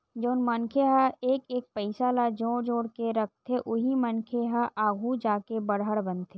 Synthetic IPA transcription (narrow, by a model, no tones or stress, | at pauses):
d͡ʒoːnmənkʰeɦaeːkeːk̚pəɪsalad͡ʒoːɽd͡ʒoːɽkeɾɐk̚ʰt̪ʰeʔʊɦimənkʰeɦaʔaːɡʱud͡ʒaːkebəɽɦəɽbənt̪ʰe